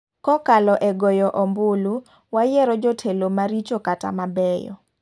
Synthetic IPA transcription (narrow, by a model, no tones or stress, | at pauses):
kɔkalɔʔɛɡɔjɔʔɔmbulu | wajɛɾɔd͡ʒɔtʰelomaɾit͡ʃokata̰mabɛjɔ̰